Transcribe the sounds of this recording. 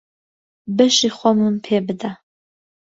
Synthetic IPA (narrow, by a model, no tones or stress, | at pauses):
bɨʃiχʷɔmɨmpʰeːbɨd̪a